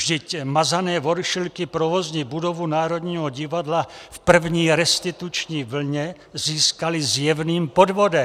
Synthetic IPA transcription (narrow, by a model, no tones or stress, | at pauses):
vʒd̪ɪcmazanɛːvoɾʃilkipɾovozɲibudovunaːɾod̪ɲiːɦɔɟivad̪lafpr̩vɲiːɾɛst̪it̪ut͡ʃɲiːvl̩ɲɛ | ziːskalizjɛvniːmpod̪vodɛ